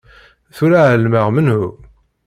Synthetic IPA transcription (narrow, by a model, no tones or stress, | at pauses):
θuɾaʕəlməʁmənhu